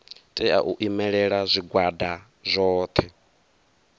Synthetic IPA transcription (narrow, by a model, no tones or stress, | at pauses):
tʼɛa̰ʔuʔimɛɺɛɺazʷiɡwada | zʷɔːt̪ʰɛ